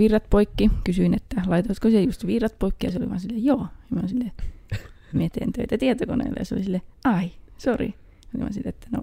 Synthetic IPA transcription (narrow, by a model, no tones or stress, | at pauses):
ʋirːɑt̪poikːikysyinet̪ːælɑit̪ɑt̪kosejust̪ʋirːɑt̪̚poikːijɑseolḭʋɑ̰ːnsilːejjoːiʋɑnsilːe | met̪ḛnt̪ø̰it̪æt̪iet̪okonḛilːḛjɑseo̰lisilːeʔɑisorḭ | oliʋɑ̰nsilːet̪ːæno̰